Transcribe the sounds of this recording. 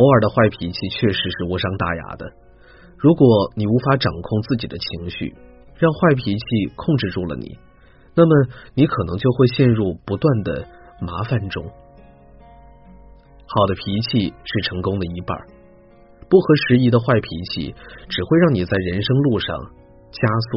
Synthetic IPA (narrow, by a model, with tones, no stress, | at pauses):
ɔ˧˥ə˞˨˩d̪ə˦xwa˥˩ɪpʰi˧˥t͡ɕʰi˥˧t͡ɕʰɥɛ˥˩ʂɻ̩˧˥ʂɻ̩˥˧wɔ˥ʂɑ˥ŋt̪a̰˥˩ja̰˧˥d̪ə̰˧ | ɻu˧˥kwɔ˨˩˦ni˨˩u˧˥fa˧˥ʈ͡ʂɑ˨˩ŋkʰʊ˥˧ŋt͡sɹ̩˥˩t͡ɕi˨˩d̪ə˦t͡ɕʰi˧˥ŋɕy̰˥˩ | ɻɑ˥˧ŋxwa˥˩ɪpʰi˧˥t͡ɕʰi˥˧kʰʊ˥˧ŋʈ͡ʂɻ̩˥˧ʈ͡ʂu˥˩lə̰˩nḭ˨˩˦ | na˥˩mə˩ni˧˥kʰɤ˨˩nɤ̰˧˥ŋt͡ɕjo˥˧ʊxwe˥˧ɪɕjɛ˥˧nɻu˥˩pu˧˥t̪wa˥˩nd̪ə̰˩ | ma˧˥fa˥˧nʈ͡ʂʊ˥ŋ | xɑ˨˩ʊd̪ə˦pʰi˧˥t͡ɕʰi˥˧ʂɻ̩˥˩ʈ͡ʂʰɤ˧˥ŋkʊ˥ŋd̪ə˨i˧˥pə̰˨˩˦ | pu˥˩xɤ˧˥ʂɻ̩˧˥i˧˥d̪ə˧xwa˥˩ɪpʰi˧˥t͡ɕʰḭ˥˩ʈ͡ʂɻ̩˨˩xwe˥˧ɪɻɑ˥˩ŋni˨˩t͡sa˥˩ɪɻə˧˥nʂɤ˥ŋlu˥˧ʂɑ̰˥˧ŋ | t͡ɕja˥sṵ˥˩